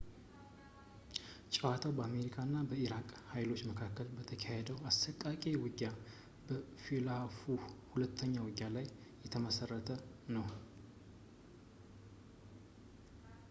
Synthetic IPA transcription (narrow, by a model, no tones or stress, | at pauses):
t͡ʃʼɛwat̪ʰawbəame̞ɾikʰanːabəiɾakʼhajlo̞t͡ʃːməkʰakːəlbət̪ʰəkʰahed̪əwast̪əkʼːakʼiwɨɡːa | bəfilafuhulət̪ʰːəɲːawɨɡːalajː | ɛt̪ʰəməsərːət̪ʰənəw